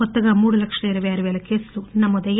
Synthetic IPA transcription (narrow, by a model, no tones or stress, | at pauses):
ɔt̪ːɐɡɐmuːɽulɐkʂɐiɾɐʋeɐɾuʋeːlɐkeːsɐlunɐmːɔd̪ɐj